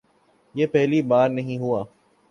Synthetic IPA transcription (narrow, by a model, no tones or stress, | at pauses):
jeːpɛɦlibaːɾnɐɦĩɦuaː